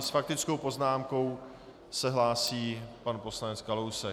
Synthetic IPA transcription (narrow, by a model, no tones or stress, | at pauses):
sfak̚t̪ɪt͡skowpo̞znaːmko̞w | sɛɦlaːsiːpanpo̞slanɛt͡skalowsɛ